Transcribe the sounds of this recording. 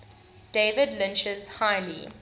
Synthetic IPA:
d̥evədlɪ̃nt͡ʃəz̥haɪlḭ

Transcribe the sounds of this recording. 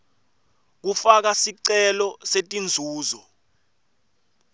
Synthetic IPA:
k̬ufak̬asiǀɛlɔsetʼind͡zʱuːzɔ

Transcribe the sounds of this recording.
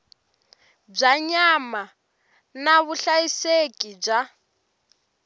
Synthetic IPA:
b͡ʐaɲama | naβuɬajisekʼib͡ʐa

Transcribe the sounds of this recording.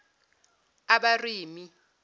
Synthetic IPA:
aɓariːmi

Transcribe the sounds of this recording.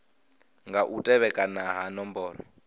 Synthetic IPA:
ŋɡaʔutʼɛβɛkʼanaɦanɔmbɔːɾɔ̰

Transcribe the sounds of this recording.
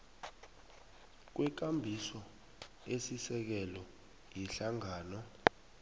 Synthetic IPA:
k̬wɛk̬ambʱisɔ | esisɛk̬ɛlɔ | jiɬaŋaːnɔ

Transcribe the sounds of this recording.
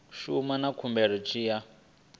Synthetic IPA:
ʃumanakʰumbɛɺ̤ɔt͡ʃʰʼiːja

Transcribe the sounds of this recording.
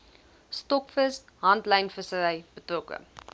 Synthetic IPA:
stɔkfəs | ɦɐntləjnfəsəɾəjb̥ətrɔkə̰

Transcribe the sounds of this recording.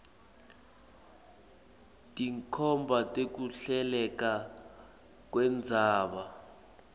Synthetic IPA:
tʼiŋkʰɔmbʱatʼek̬uɬɛlɛka | k̬wɛnd͡zʱaːɓa

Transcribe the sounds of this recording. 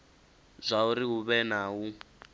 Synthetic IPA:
zʷauɾiɦuβɛnaːɦu

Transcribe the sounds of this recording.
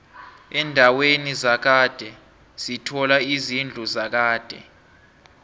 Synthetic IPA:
ɛndʱawenizak̬ad̥ʱɛ | z̥itʰɔlaizind͡ɮʱuzak̬aːd̥ʱɛ̰

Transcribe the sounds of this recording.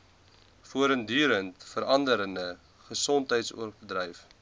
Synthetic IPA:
fuəɾəndyːɾəntfəɾɐndəɾəndə | χəsɔntɦəjtsṵərbədrɛjf

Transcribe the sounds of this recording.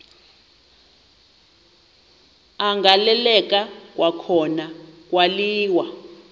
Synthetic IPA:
aŋɡalɛlɛk̬ʼak̬ʼwʔakʰɔnak̬ʼwaliːwa

